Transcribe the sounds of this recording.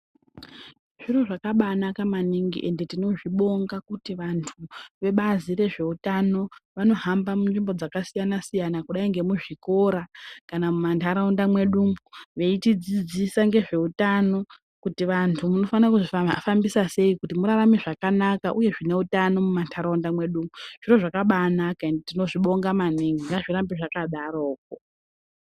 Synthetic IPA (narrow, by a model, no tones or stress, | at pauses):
ʐ̥iro̞ʐakaɓanakamaniŋɡḭʔe̞nde̞tino̞ʐiɓo̞ŋɡakutiʋantʰuʋe̞ɓazire̞ʐe̞utano̞ʋano̞ɦambamunʐimbo̞d͡zakasijanasijanakuɗaiŋɡe̞muʐiko̞ɾakanamumantʰaɾaundamwe̞ɗumuʋe̞itid͡zid͡zisaŋɡe̞ʐe̞utano̞ | kutiʋantʰumuno̞fanakuʐifambisase̞ikutimuɾaramiʐakanakaʔuje̞ʐine̞utano̞mumantʰaɾaundamwe̞ɗumuʐ̥iro̞ʐakaɓanakandtino̞ʐiɓo̞ŋɡamaniŋɡiŋɡaʐirambiʐakaɗaɾoːk̚o